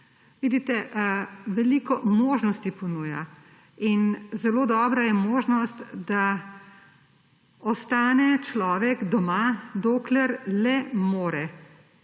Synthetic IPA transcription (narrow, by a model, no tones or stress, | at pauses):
ʋiːd̪it̪ɛ | ʋɛliːkɔmoːʒnɔst̪ipɔnuːja̰ | inzɛloːd̪ɔːbɾajɛmoːʒnɔst̪d̪a | ɔst̪aːnɛt͡ʃlɔːʋɛɡd̪ɔmad̪oːklɛɾlɛmoːɾɛ